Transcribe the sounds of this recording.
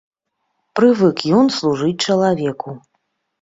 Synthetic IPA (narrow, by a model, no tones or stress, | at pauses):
pɾɨvɨkjɔnslˠuʐɨt͡sʲt͡ʂɐlˠavʲɛku